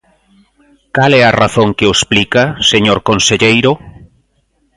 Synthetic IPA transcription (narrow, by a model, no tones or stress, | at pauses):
kalɛaraθoŋkeoesplikaseɲoɾkonseʎejɾʊ